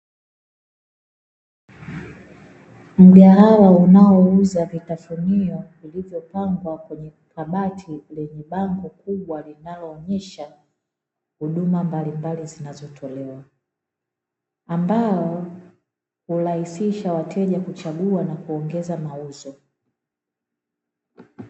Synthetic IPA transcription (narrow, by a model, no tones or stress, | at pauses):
m̩ɠaɦawaunaɔuzavitafuniɔ | ilivjɔpaŋɡwakwɛɲɛ | taɓatʰilɛɲɛɓaŋɡɔkuɓwalinalɔːɲɛʃa | huɗumambalimbalizinazɔtʰɔlɛwa | ambaɔ | hulahisiʃawatʰɛʄakut͡ʃaɠuanakuɔŋɡɛzamauzɔ